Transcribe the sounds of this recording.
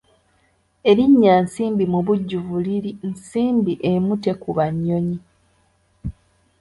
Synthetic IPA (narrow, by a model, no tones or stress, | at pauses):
e̞ɾiɲːansiːmbimuβuɟːuvuliɾinsiːmbiʔemute̞kuβaɲːoɲi